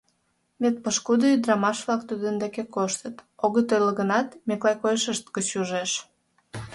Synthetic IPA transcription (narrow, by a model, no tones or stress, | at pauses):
met̪̚pəʃkud̪əyd̪rɑmɑʃβlɑkt̪ud̪ənd̪ekekoʃt̪ət̪oɣət̪ojləɣənɑt̪meklɑjkojeʃəʃt̪kət͡ɕuʒeʃ